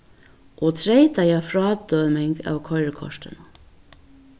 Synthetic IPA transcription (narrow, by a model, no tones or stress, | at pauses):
ʔoːt̪ʰɾeɪt̪ɑjæːfɾɑːd̪øːmɪŋɡɑ̰ːʋkʰœʏɹəkʰɔ̰ʃtə̰nə